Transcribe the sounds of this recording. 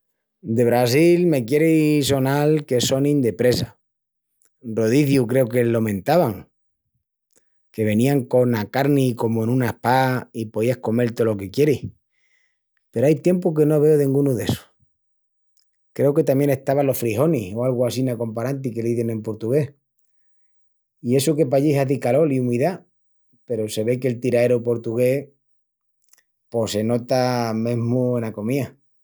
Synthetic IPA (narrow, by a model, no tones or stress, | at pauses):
d̪e̞β̞ɾas̬ilme̞kje̞ɾiso̞nalke̞so̞nĩnd̪e̞pɾe̞sa | ro̞ðiθjukɾe̞oke̞lo̞mẽ̞nt̪aβaŋ | ke̞βe̞nĩaŋko̞nakaɾniko̞moenũnahpaipo̞ðiahko̞me̞lt̪olo̞ke̞kjeɾih | pe̞ɾoajt̪je̞mpoke̞no̞β̞e̞oðĩŋɡunuðe̞so̥ | kɾe̞oke̞t̪amjene̞ht̪aβalo̞fɾiɦo̞nihoalɣoasinako̞mpaɾant̪̬ike̞liðene̞mpo̞ɾt̪uɣe̞h | ie̞soke̞paʝiɦaðikalo̞liumiða | pe̞ɾose̞βe̞ke̞lt̪iɾae̞ɾopo̞ɾt̪uɣe̞ | po̞se̞no̞t̪amẽ̞ɦmue̞nako̞mia